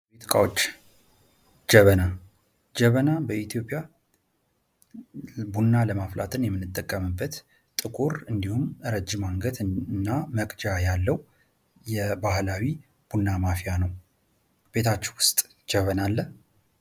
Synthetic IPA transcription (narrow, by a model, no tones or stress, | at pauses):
wit̪ʼkʼa̰wot͡ʃː | d͡ʒɛβəna | d͡ʒəβənabəit̪ʰijo̞pʼːja | bunːaləmafla̰t̪ʰɨnjɛmːɨnːɨt̪ʼːəkʼːəmɨbːət̪ | t̪ʼɨkʼuɾɨnd̪ihumɾəd͡ʒːɪmaŋɡət̪nːaməkʼd͡ʒajalːəw | jɛbahlawi | b̥unːamafijanəw | be̞t̪ʰat͡ʃːɪwʊst̪ʼ | d͡ʒəβənalːə